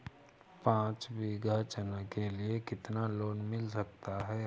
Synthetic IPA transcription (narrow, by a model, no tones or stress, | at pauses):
pãːt͡ʃbiɡʱaːt͡ʃənakeliekɪt̪naloːnmɪlsɐk̚t̪aɦɛː